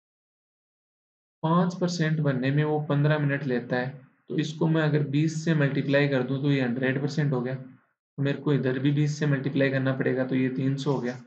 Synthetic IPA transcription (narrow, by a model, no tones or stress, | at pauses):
pãːt͡ʃpɐɾsɛ̃ɳʈbɐnːemẽʋopɐ̃nd̪ɾamɪnəʈleːt̪aɦɛːt̪oɪskomɛ̃ɐɡəɾbiːsːemɐlʈiplaːikɐɾd̪ũt̪̬ojeɦɐ̃ɳɖɾeːɖpɐɾsɛ̃ɳʈɦoːɡɐjaː | t̪omeːɾkoɪd̪əɾbʱibiːsːemɐlʈiplaːikɐɾnapɐɽeːɡat̪ojet̪iːnsɔɦoɡɐjaː